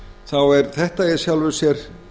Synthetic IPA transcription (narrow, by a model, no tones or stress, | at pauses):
θawɛɾθɛht̪aɛɾ̥sjawlvʏ̥sjɛɾ̥